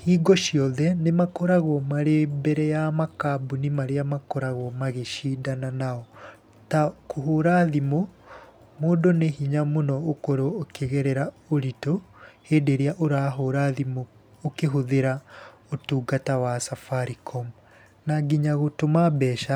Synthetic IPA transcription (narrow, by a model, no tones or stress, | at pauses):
hiːɡɔʃiɔðɛnemakɔɾaɣwɔmaɾebɛɾɛjamakabunimaɾeamakɔɾaɣwɔmaɣeʃidananaɔ | takʰoɦoɾaðimo | moːdonehiɲamonɔːkoɾoːkeɣɛɾɛɾaoɾitoheːdeɾeaʔoɾaːɦoɾaðimoː | keɦoðeɾa | otuːɡatawasafaɾikʰɔm | naɡiɲaɣotomabɛːʃa